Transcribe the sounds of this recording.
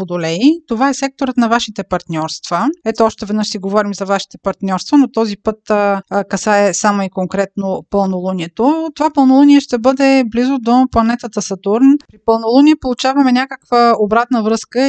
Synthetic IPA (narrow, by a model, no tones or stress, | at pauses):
od̪olɛit̪ovaɛsɛk̚t̪oɾət̪nɐvaʃit̪ɛpɐɾt̪nʲɔɾst̪v̥əɛt̪oɔʃt̪ɛvɛd̪nɤʃsiɡovɔɾimzɐvaʃi̥t̪ɛpɐɾt̪nʲɔɾst̪vənot̪ɔzipɤt̪kɐsaɛsamoikoŋkɾɛt̪nopəlˠnolˠuniɛt̪ot̪ovapəlˠnolˠuniɛʃt̪ɛbɤd̪ɛblizod̪oplˠɐnɛt̪ət̪əsɐt̪uɾnpɾipəlˠnolˠunʲiːpolˠut͡ʃavɐmɛnʲakəkvəobɾat̪nəvɾɤskə